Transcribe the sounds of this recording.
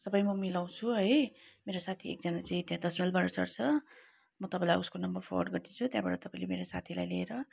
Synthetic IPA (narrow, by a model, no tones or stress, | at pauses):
sʌbʌjmʌmilaw̃t͡sʰuɦʌjmeɾosat̪ʰiḛk̚d͡zʌnat͡saĩt̪jãd̪ʌsmilbaɾʌt͡sʌ̰ɽt͡sʰʌ | mʌt̪ʌpãĩlajuskonʌmbʌrpʰolo̰ɖɡʌɾd̪it͡sʰut̪jãbaʈʌt̪ʌpãĩlemeɾosa̰t̪ʰila̰jlieɾʌ